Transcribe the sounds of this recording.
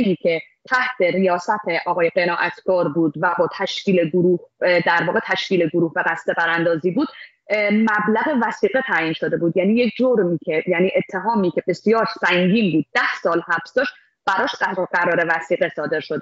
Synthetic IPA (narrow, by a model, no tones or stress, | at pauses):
ɡiːcʰe̞ | t̪ʰæht̪ʰeɾijɒːsæt̪ʰeʔɒːɣɒːje̞ɢe̞nɒːʔæt̪ʰɡ̥ɒːɾbuːd̪væbɒːt̪ʰæʃcʰiːleɡoɾuːhd̪æɾvɒːɣe̞t̪ʰæʃciːleɡoɾuːhbebæst̪e̞pʰæɾænd̪ɒːziːbuːd̪ | mæblæɣe̞væsiːɣe̞t̪ʰæːjiːnʃo̞d̪e̞buːd̪jæːniːjekʰd͡ʒoɾmiːcʲʰe̞jæniːʔet̪ʰːe̞ɦɒːmiːcʰʲe̞be̞sjɒːɾsæŋɟiːnbuːd̪̚ːæhsɒːlhæbsd̪ɒːʃt̪ | b̥æɾɒːʃæɢæɾɒːɾe̞væsiːɣesɒːd̪e̞ɾʃod̪